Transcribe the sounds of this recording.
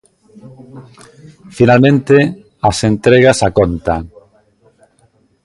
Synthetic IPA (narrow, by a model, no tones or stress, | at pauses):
finalmẽnt̪e | asent̪ɾeɣasakɔnt̪a